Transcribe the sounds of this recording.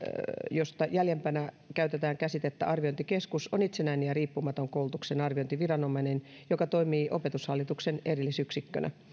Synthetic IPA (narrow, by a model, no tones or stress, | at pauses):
jost̪ɑjæljempænæ | kæyt̪et̪æːŋkæsit̪et̪ːæ̰ʔɑrʋiont̪ikeskusonit̪senæinejɑriːpːumɑt̪oŋkoult̪uksenɑrʋiont̪iʋirɑnomɑinenjokɑt̪oimiːʔopet̪ushɑlːit̪uksenerilːisyksikːø̰nʔæ̰